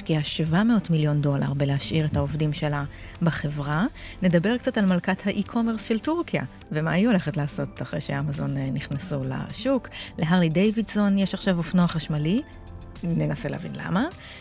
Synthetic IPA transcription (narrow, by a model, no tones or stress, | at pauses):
ʃkiaʃvameotmiljo̞ndo̞la̰ʁbeleaʃʔiʁethaovdimʃe̞la | baχevʁane̞dabe̞ʁkt͡satalmalkathaʔikʰo̞meʁsʃeltuʁkija̰ | vemaːjuole̞χetlaːso̞taχʁejʃeamazo̞nnːiχnasula̰ʃukleɦaʁlidejvidzonjeʃaχʃavofnoaχaʃmali | nenaselḛavḭnla̰ma